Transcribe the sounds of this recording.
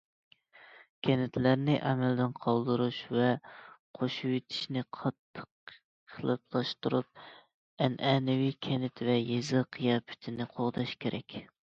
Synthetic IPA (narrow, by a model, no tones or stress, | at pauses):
kʲʰɛnɪt̪ʰlæɾnɪʔɛmɛld̪ɪnqʰɑlˠd̪ɨɾuʃvɛqʰoʃuwet̪ʰɪ̥ʃnɪqʰɑt̪ʰːə̥qʰ | əlˠɨp̚lˠɑʃt̪uɾup̚ | ɛnʔɛnɪwikʲʰɛnɪt̪vɛjezɨqʰijɑːpʰy̥t̪ʰɪnɪqʰoʁd̪ɑʃkʲʰeɾʔɛkʲ